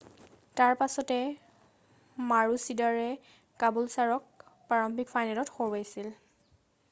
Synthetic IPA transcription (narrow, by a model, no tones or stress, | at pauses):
taɹpasɔtɛ | maɹusidaɹɛ | kabulsaɹɔk̚paɹɔmpʰikfʰajnalɔtxoɹajsil